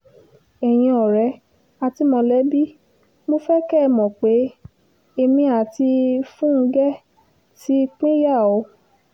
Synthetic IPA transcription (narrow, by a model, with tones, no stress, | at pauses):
ɛ˨j̃ĩ˧ɔ˨ɾɛ˨˦ | a˧ti˧mɔ̃˧lɛ˨˦bi˦ | mo˦fɛ˦kɛ˦˨mɔ̃˨k͡pe˨˦ | e˧mĩ˧a˨ti˧fũ˦˧ɡɛ˦ | ti˦˧k͡pĩ˦ja˦˨ɔ˨˧˦